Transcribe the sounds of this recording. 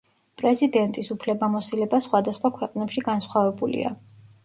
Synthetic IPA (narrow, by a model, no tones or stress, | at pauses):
pʼɾɛzid̪ɛnt̪ʼisupʰlɛbamɔsilɛbasχwad̪asχwakʰwɛqʼnɛpʃiɡansχwavɛbulḭa̰